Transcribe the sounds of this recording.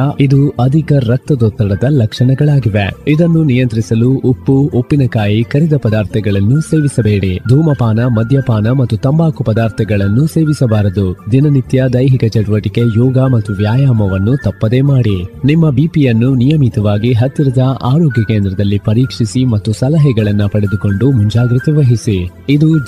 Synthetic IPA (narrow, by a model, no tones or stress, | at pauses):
id̪uɐd̪ʱikɐɾɐk̚t̪ɐd̪ɔːt̪ːɐɽɐd̪ɐlɐkʂɐɳɛɡɐɭaːɡiʋe̞id̪ɐnːunijɐnt̪ɾisɐluopːuopːinɐkaːjikɐɾid̪ɐpɐd̪aːɾt̪ʰɛɡɐɭɐnːuse̞ːʋisɐbe̞ːɽid̪ʱuːmɐpaːnɐmɐd̪ʱjɐpaːnɐmɐt̪ːut̪ɐmbaːkupɐd̪aːɾt̪ʰɛɡɐɭɐnːuse̞ːʋisɐbaːɾɐd̪ud̪inɐnit̪jɐd̪ɐjɦikɐt͡ʃɛʈuʋɐʈike̞jɔːɡɐmɐt̪ːuʋjaːjaːmɐʋɐnːut̪ɐpːɐd̪e̞ːmaːɽinimːɐbiːpijɐnːunijɐmit̪ɐʋaːɡiɦɐt̪ːiɾɐd̪ɐa̰ːɾoːɡjɐkeːnd̪ɾɐd̪ɐlːipɐɾiːkʂisimɐt̪ːusɐlɐɦɛɡɐɭɐnːɐpɐɽed̪uko̞ɳɖumuɲd͡ʒaːɡɾit̪ɐʋɐɦisi | id̪u